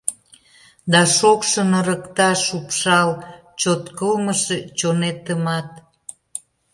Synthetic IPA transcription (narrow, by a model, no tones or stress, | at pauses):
d̪ɑʃokʃənəɾəkt̪ɑʃupʃɑlt͡ɕot̪kəlməʃet͡ɕonet̪əmɑt̪